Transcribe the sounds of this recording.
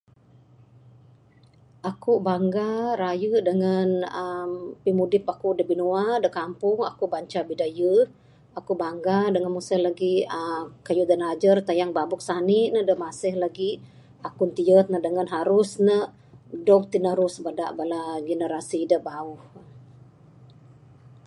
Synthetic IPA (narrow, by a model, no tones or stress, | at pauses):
ʔakubaŋɡaɾajədəŋənəmpimudɪpakudəbinuadəkampʊŋa̰kubaɲt͡ʃabidajə | akubaŋɡadəŋənmusəhlaɡiəkajuʔdənad͡ʒərt̪ajaŋbabʊk̚saniʔnədəmasɪhlaɡi | akʊnt̪iət̪̚nəhdəŋanɦaɾʊsnəʔ | dɔk̚t̪inəɾʊsbəda̰ʔbalaɡənəɾasidəbaʊh